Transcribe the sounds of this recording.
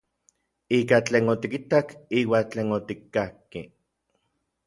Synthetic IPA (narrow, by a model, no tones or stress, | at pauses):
iːkat͡ɬeːnot̪ikit̪akiːwaːt͡ɬeːnot̪ikːahki